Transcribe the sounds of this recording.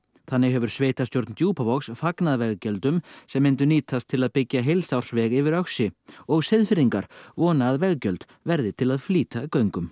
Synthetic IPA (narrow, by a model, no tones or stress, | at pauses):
θanːɪɣɦɛvʏɾ̥sveːjt̪ast̪jowɾt̪nt̪juːpavɔksfaknaðvɛɣcœlt̪ʏmsɛmːɪnt̪ʏniːt̪ast̪ʰɪlaðpɪcːaɦelsawr̥svɛɣɪvɪɾœxsɪɔɣsɪðfɪɾiŋkaɾ̥vɔːnaðvɛɣcœlt̪ | vɛɾðɪt̪ʰɪlaðfliːt̪akœɥŋkʏm